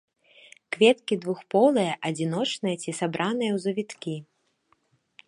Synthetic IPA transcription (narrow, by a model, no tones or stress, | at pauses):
kvʲɛt̪kʲid̪vuxpɔlˠɐjɐʔɐd͡zʲin̪ɔt͡ʂnɐjɐt͡sʲisabɾʔanɨjɐwzɐvʲit̪kʲi